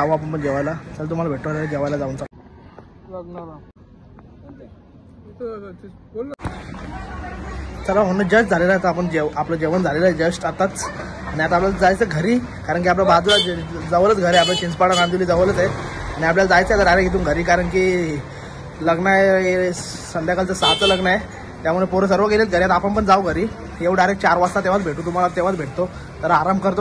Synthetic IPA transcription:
aʋəap̬əɳpəɳd͡ʑeʋajlat̪alat̪um̤alabʱeʈʋalalad͡ʑeʋajlad͡zaunt͡sa | lɡn | təɾaɦonəd͡ʑəd͡ʑd͡zʱalelaət̪aap̬əɳd͡ʑeapləd͡ʑeʋənd͡zʱalelad͡ʑəsʈat̪at͡s | aɽ̃iat̪aplald͡zajt͡seɡʱəɾiː | kaɾəɳk̬ʲiap̬labad̪lad͡zəʋələt͡sɡʱəɾeaplət͡ɕind͡zpaɽanãnd̪uliːd͡zəʋələt͡seaɽ̃iap̬ljalad͡zajt͡səet̪əɾaɾeɡʱit̪̬uːŋɡʱəɾiːkaɾəɳki | ləɡɳajee | sənd̪jakalt͡səsat͡sələɡɳaje | t̪jamuɭepoɾəsəɾʋəɡelet͡s̪ɡʱəɾjat̪apəɳpəɳd͡zaʋɡʱəɾiː | jeʋəɖajɾek̚t͡ɕaɾʋast̪at̪ẽʋat͡sbʱeʈuːt̪̬um̤alat̪ẽʋ̤at͡sbʱeʈt̪o | t̪əɾaːɾambkəɾt̪o

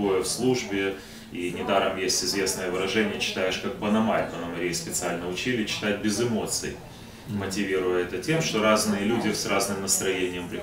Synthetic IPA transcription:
ojəfslˠuʐbʲɪ | inʲɪd̪aɾəmjesʲtʲɪzvʲe̞snəjəvɨɾɐʐɛnʲɪjət͡ɕɪ̥t̪ajɪʂkak̚pənɐmajʲpənəmɐɾʲejspʲɪt̪sɨalʲnəʊt͡ɕilʲɪt͡ɕːɪ̥t̪at̚ʲbʲɪzɨmo̞t̪sɨ̰j | mətʲɪvʲiɾʊjəɛt̪ətʲe̞mʂt̪o̞ɾaznɨjəlʲudʲɪsrʔaznɨmnəst̪ɾɐjenʲɪjəmpɾʲɪ

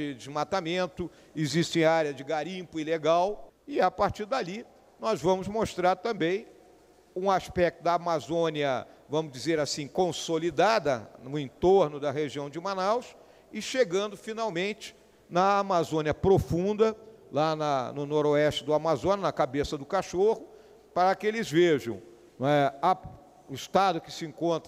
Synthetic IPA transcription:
ɪd͡ʒɪzmat̪amẽnt̪ʊ | ɪziʃt͡ʃẽj̃aɾjɐzd͡ʒɪɡaɾĩpʊileɡawɪapaɾt͡ʃiɾd̪ali | nɔzvɐ̃mʊzmoʃt̪ɾaɾt̪ɐ̃mbẽj̃ | ũaspɛk̚t̪ʊd̪ɐamazõniɐvɐ̃mʊzd͡ʒizeɾasĩkõsolid̪ad̪ɐnʊẽnt̪oɾnʊd̪ɐɦeʒiɐ̃w̃d͡ʒɪimanaws | ɪʃeɡɐ̃nd̪ʊfinawmẽnt͡ʃɪ̥ | nɐːmazõniɐpɾofũnd̪ɐlanɐnʊnɔɾoɛʃt͡ʃɪd̪ʊamazõnɐnɐkabesɐd̪ʊkaʃohʊ | paɾɐkɪelɪzveʒɐ̰̃w̃ | nɛa | ʊɪst̪ad̪ʊkɪ̥sɪẽŋkõnt̪ɾɐ

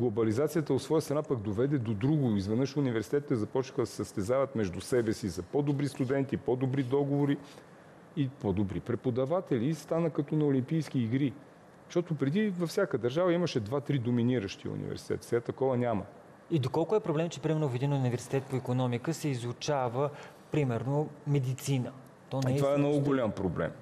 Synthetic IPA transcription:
ɡlˠobɐlizat̪sijət̪əot̪svɔjəst̪ɾɐnapɐk̚d̪ovɛd̪ɛd̪od̪ɾuɡʊizvɛnəʃunivɛɾsit̪ɛt̪ːəzɐpɔt͡ʃni̥xəd̪ɐsɛsəst̪ɛzavɐt̪mɛʒd̪usɛbɛsizɐpɔd̪obɾist̪ud̪ɛnt̪ipɔd̪obɾid̪ɔɡovoɾi | ipɔd̪obɾipɾɛpod̪ɐvat̪ɛlist̪anəkɐt̪ɔnɐolimpijsk̟iːɡɾi | ʃt̪ɔt̪ʊpɾɛd̪ivɐfsʲjakəd̪ɐɾʒavəiməʃɛd̪vat̪ɾid̪ominiɾəʃt̪iṵnʲḭvɛ̰ɾsi̥t̪ɛ̰t̪sɛat̪ːɐkɔvənʲamə | id̪okɔlˠkʊɛpɾoblɛmt͡ʃɛpɾimɛɾnofid̪inunivɛɾsi̥t̪ɛt̪̚poikonɔmikəsɛizut͡ʃavə | pɾimɛɾnomɛd̪it̪sinə | t̪ɔnitɛovaɛmnɔɡʊɡolʲampɾoblɛ̰m

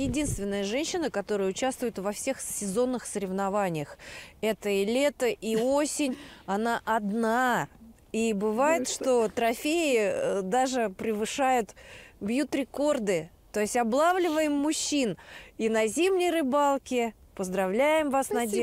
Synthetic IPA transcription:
jɪdʲinst̪vʲɪnːəjəʐɛnʲɕːɪnəkɐt̪o̞ɾəjəʊt͡ɕast̪vʊjʊt̪vɐfsʲe̞xsʲːɪzo̞nːɨxsəɾʲɪvnɐvanʲɪjəxɛt̪əilʲe̞t̪əʔiosʲɪnʲɐnaʔɐd̪na | ibɨvajɪt̪ʂt̪o̞t̪ɾɐfʲeɪd̪aʐɨpɾʲɪvɨʂajʊt̪bjut̪ɾʲɪko̞rd̪ɨ | t̪o̞jɪsʲtʲɐblˠavlʲɪvəjɪmːʊɕːininɐzʲimnʲɪjrɨbalˠkʲɪ | pəzd̪ɾɐvlʲæjɪmvasnɐdʲ

